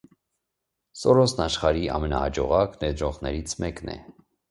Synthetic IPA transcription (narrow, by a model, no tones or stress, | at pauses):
sɔɾɔsnɑʃχɑɾiɑ̰mɛnɑ̰hɑd͡ʒɔʁɑknɛɾd̪ɾɔʁnɛɾit͡sʰmɛknɛ̰